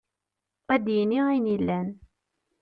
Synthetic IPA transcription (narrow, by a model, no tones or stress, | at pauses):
æd̪jəniinilːæn